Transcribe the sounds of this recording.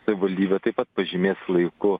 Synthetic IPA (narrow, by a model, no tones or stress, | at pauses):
sɐʋʲɪʋɐlʲd̪ʲiːbʲɛt̪ɐɪpɐt̪̚pɐʒʲɪmʲeːslˠɐɪkʊ